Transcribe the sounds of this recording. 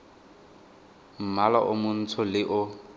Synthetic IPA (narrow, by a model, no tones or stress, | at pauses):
m̩malaʔʊmʊn̩t͡sʰʊlɪʔʊ